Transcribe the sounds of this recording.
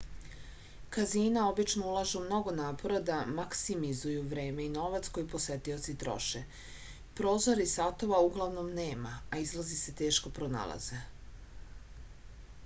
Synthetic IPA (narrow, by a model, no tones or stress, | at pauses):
kaziːnao̞bit͡ʃno̞ulˠaʒeumno̞ɡo̞naːpo̞ɾad̪amaksimizujuʋɾe̞ːme̞ino̞ʋat̪sko̞jipo̞sʋe̞t̪io̞t̪sit̪ɾo̰ʃe | pɾo̞ːzo̞ɾisat̪o̞ʋauɡlˠaʋno̞mne̞ːmaaizlˠazise̞t̪e̞ːʃko̞pɾo̞na̰lˠa̰z̥e